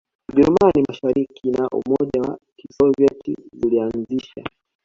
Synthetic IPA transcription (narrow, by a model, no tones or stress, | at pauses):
uʄɛɾumanimaʃaɾikʰinaʔṵmɔʄawa̰kisɔvjɛtḭzulianziʃa̰